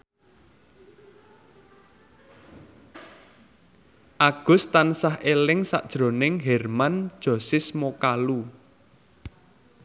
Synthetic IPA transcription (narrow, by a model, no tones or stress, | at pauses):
ʔaɡ̥ʊ̤st̪ansaɦʔelɪŋsa̰ʔd̥ʒ̥ɾo̤nɪŋɦɛrmand̥ʒ̥ɔ̤sɪsmokalu